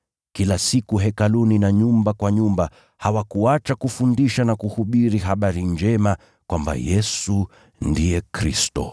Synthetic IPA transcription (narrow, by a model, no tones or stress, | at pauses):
kilasikuɦɛkaluninaɲumbakwaɲumba | hawakuat͡ʃakufundiʃanakuhuɓiɾiɦaɓaɾind͡ʒɛma | kwamba̰jɛsu | ndiɛkɾḭstɔ̰